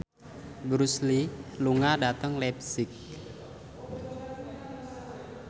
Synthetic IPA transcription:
bɾusliluŋadat̪əŋlɛp̚sɪk̚

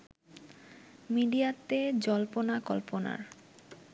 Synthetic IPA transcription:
miɖiat̪ed͡ʑɔlponakɔlpona̰ɾ

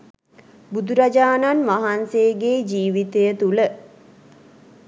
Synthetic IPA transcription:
bud̪uɾad͡ʒaːnanʋaɦanseːɡeːd͡ʒiːʋit̪ejət̪ulə

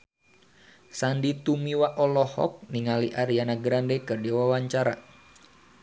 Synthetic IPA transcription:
sandit̪umiwaʔɔlɔhɔ̰k̚niŋaliʔaɾianaɡɾandekərdiwawaɲt͡ʃaɾa

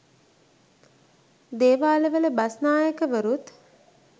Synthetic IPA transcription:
d̪eːʋaːləʋələbasnaːjəkəʋəɾut̪

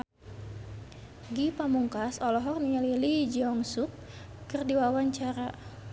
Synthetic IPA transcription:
ɡipamuŋkasɔlɔɦɔrniɲalilid͡ʒiɔŋsuk̚ː | ərdiwawaɲt͡ʃaɾa

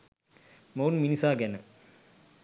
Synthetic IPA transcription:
mɐwnminisaːɡɛnə

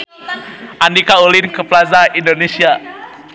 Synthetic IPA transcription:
ʔandikaulinkəplazaindonesia

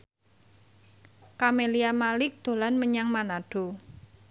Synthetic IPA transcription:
kameliamalɪk̚d̪̥o̤lanməɲaŋmanaɖ̥o̤

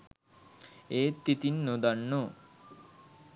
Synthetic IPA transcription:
eːt̪ːit̪inːod̪anːo

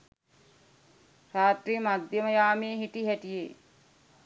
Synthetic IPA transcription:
ɾaːt̪riːmad̪ʱjəməjaːmeːɦiʈiɦæʈijeː

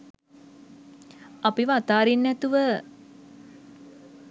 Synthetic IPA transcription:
apiʋəat̪aːɾinːæt̪uʋə

